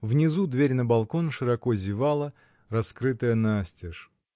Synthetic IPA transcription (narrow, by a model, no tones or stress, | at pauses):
vnʲɪzud̪vʲeɾʲnəbɐlˠko̞nʂɨɾɐko̞zʲɪvalˠə | rɐskɾɨt̪əjənasʲtʲɪʂ